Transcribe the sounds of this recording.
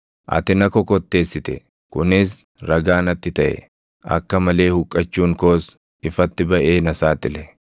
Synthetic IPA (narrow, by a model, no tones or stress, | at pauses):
ʔɐ̰t̪ɪnɐkɔkɔt̪ːe̞ːsːɪt̪ɛ̰ | kʊnɪs | ɾɐɡaːnɐt̪ːɪt̪ɐʔɛ̰ | ʔɐ̰kːɐmɐle̞ːhʊkʼːɐt͡ʃːuːŋko̞ːs | ɪfɐt̪ːɪbɐʔeːnɐsaːt̪ʼɪlɛ